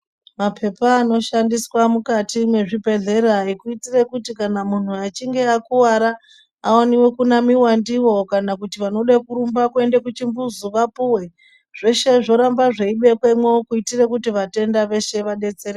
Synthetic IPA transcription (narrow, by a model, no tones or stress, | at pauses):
mapʰe̞paːno̞ʃandiswamukatimwe̞ʐibʱe̞ɮe̞ɾoɦaikuitire̞kutikanamun̤uat͡ʃiŋɡe̞akuwaɾa | aoniwe̞kunamiwandiwo̞kanakutiʋano̞ɗakuɾumbakue̞nde̞kut͡ʃimbuzuʋapuwe̞ | ʐ̥e̞ʃe̞ʐo̞ɾambaʐeiɓe̞kwemweokuitire̞kutiʋate̞ndaʋe̞ʃe̞ʋaɗe̞t͡seɾe